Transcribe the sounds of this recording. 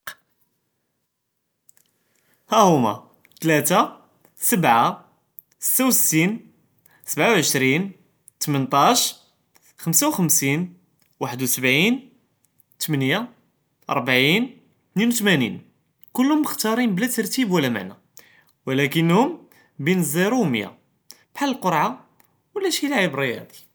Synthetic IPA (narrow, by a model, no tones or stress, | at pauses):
hæhʊmæ̰ | t̪læt̪a | səbʕa | sə̥t̪ːawsə̥t̪ːin | səbʕawʕəʃɾin | t̪mənt̪ˤɑʃ | xəmsawxəmsin | waħəd̪wsəbʕin | t̪əmənja | ʔɑ̰ɾˤbaʕin | t̪ninwt̪mænḭn | kʊlːhʊmːəxt̪ɑɾˤinblæt̪ɑɾˤt̪ibwəlːæma̰ʕnæ̰ | wəlækənːhʊm | binzˤiɾuwməja̰ | b̥ħaləlqoɾˤʕa | wəlːæʃilaʕibrˤijhæ̰d̪i̥